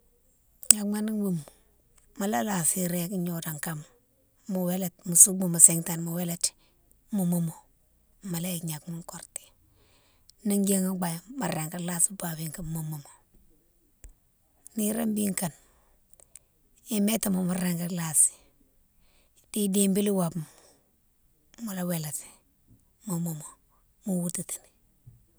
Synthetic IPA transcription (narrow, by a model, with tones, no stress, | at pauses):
ɲa˨kma˦ni˦ŋbu˦˨m | ma˨la˦la˨si˦ɾe˦kɲo˨da˨ŋka˦m | mu˨we˦le˨tmu˨su˦mu˨mu˨se˦ŋta˨nmu˨we˦le˨t | mu˨mu˦mo˨ | ma˨la˦i˨kɲa˨kma˦ŋko˨ɾte̥˨ | ni˦ŋɡe˦ŋa˦ɡ͡ba˨jma˨ɾe˨ŋka˦la˦sba˨bi˦ŋka˨mu˨mu˨mo˨ | ni˦ɾa˦mbi˦ŋka˨n | i˦me˦ta˨mo˨ma˨ɾe˨ŋka˦la˨si̥ | d̥i˦dimbi˦li˦wa˨bm | mu˨la˦we˨la˨t | mu˨mo˨mo˨ | mu˦wu˦ti˨ti̥˨n